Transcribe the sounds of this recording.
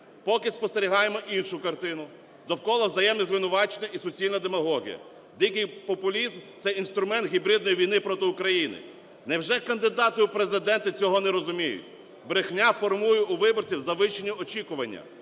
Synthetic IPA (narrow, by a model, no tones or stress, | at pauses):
pɔkɪspɔst̪eɾʲiɦɑjemɔʔinʃʊkɐrt̪ɪnʊ | d̪ɔwkɔlˠɐwzɐjɛmnɛzʋɪnʊʋɑt͡ʃenʲːɐisɔt͡sʲilʲnɐd̪emɐɦɔɦʲḭjɐ̰ | d̪ijkɪjpɔpʊlʲizmt̪sɛin̪st̪ɾʊmɛnt̪ɦʲibɾɪd̪nɔjiʋʲijnɪpɾɔt̪ɪʊkɾɐjinɪ̰ | nɛwʒɛkɐnd̪ɪd̪ɑt̪ɪʊpɾezɪd̪ɛnt̪ɐt͡sʲɔɦɔnɛɾɔzʊmʲijʊ̰tʲ | bɾexnʲafɔrmujʊʊʋɪbɔrt͡sʲiwzɐʋɪʃenʲːɐɔt͡ʃikʊʋɐnʲːɐ̰